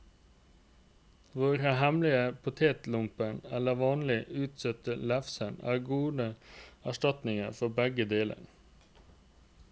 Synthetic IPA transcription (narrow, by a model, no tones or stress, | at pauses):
ʋoːɾəhɛmlɪəpʰʊt̪ʰeːt̪lʊmpəɳɛləʋɑːnlɪʉːt̪sœt̪əlæfsəɳæ̰ːɡuːd̪əæʃtɑt̪nɪŋəfɔbɛɡəd̪eːlə̰n